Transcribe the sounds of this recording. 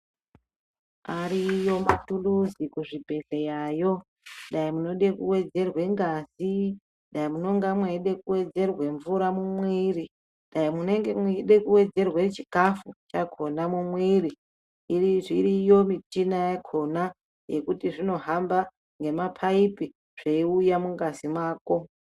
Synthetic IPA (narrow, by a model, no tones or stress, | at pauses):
aɾijo̞matuluzikuʐibʱe̞ɮejaːjo̞ | ɗaimuno̞ɗe̞kuwe̞d͡ze̞rwe̞ŋɡazi | ɗaimuno̞ŋɡamweɗe̞kuwe̞d͡ze̞rwe̞ɱvuɾamumwiri | ɗaimune̞ŋɡemeɗe̞kuwe̞d͡ze̞rwet͡ʃi̥kafut͡ʃakʰo̞namumwiɾiː | riʐiɾijo̞mitinajakʰo̞na | je̞̰kutiʐino̞ɦamba | ŋɡe̞mapʰaipi | ʐ̥eiujamuŋɡazimaːko